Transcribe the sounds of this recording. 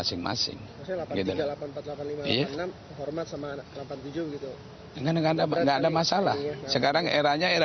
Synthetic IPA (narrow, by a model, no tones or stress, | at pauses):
asɪŋma̰sɪ̰ŋ | slaaɡit̪ullapanmpat̪lapanlimaijanamhɔrmat̪̚samalapant̪ud͡ʒubəɡit̪u | əŋɡanŋɡadaŋɡaːdamasalahsəkaɾaŋeɾaɲaeɾa